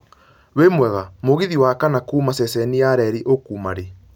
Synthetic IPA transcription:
wemwɛɣamoɣiðiwakanakuːmasɛsɛniaɾɛɾiʔokuːmaɾe

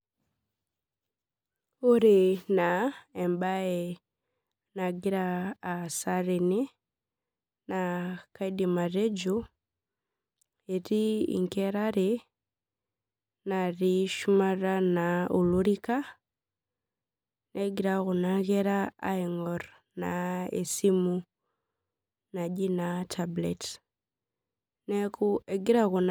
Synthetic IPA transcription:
uɾinaembae | naɡiɾaːsaɾini | nakaidimaɾeɟu | eɾiḭŋkeɾaɾe | naɾiʃumaɾanauluɾika | neɡiɾaɣunaɣeɾa̰ːiŋoɾ | naḛsimu | naɟinatʰablet | nekueɡiɾaɣun

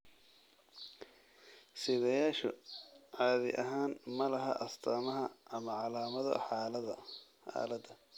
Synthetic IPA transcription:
sɪðɛjaːʃɔ̰ʕɑːðɪ̰ʔɐɦaːnmɐlɐɦɐ̰ʔɐst̪ʰaːmɐɦɐɐmɐʕɑlaːmɐðɐ̰ | ħa̰ːlɐd̪ɐ

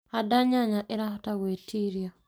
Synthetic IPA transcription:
adaɲaɲaʔɪɾahɔtawetiɾja

